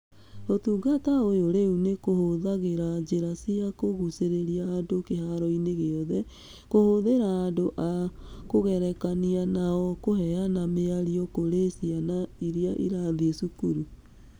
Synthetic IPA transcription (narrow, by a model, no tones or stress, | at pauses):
otuːɡataojoɾeunekohoðaɣeɾad͡ʒeɾasiakoɣuseɾeɾiaːdokehaɾɔineɣeɔðɛ | kohoðeɾaːdoʔakoɣɛɾɛkanianaɔkohɛanameaɾiɔkoɾesianaiɾjaʔḭɾaðesukuɾu